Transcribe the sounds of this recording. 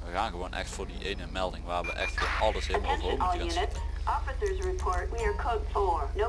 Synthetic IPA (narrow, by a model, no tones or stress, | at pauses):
ʋəɣaːnɣəʋonʔɛ̰xtfʊːɹdiʔejnəmɛlˠdɪŋʋaːɹʋəʔɛ̰xtfɔɑlˠəseəɛ̃nɦoʉnɪtsʔɔfɨsə˞zɹɪpʰɔɹt̚wiə˞kʰoʊtfəɹno